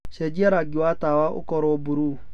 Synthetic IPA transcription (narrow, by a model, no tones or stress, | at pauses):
sɛd͡ʒiɛɾaɡɪwatawaʔo̰kɔɾɔobuɾu